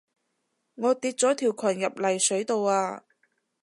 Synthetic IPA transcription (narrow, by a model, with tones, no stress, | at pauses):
ŋɔː˨˧t̪iː˧t̚t͡sɔː˨˥t̪ʰiː˨˩wkʷʰɐ˨˩njɐ˨p̚lɐ˨˩jsɵ˨˥ɥt̪o˨waː˧